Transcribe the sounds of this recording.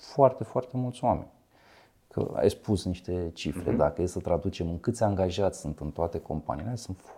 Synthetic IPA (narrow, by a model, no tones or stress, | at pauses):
foart̪e̞foart̪e̞mult̪sʲwame̞̰nʲ | kʰə̰a̰jspusniʃt̪e̞t͡ʃifɾe̞̰d̪akəjessət̪ɾad̪ut͡ʃe̞mɨŋkɨt̪sʲaŋɡaʒat̪sʲsunt̪ɨnt̪oat̪e̞ko̞mpa̰nḭːlesunt̪f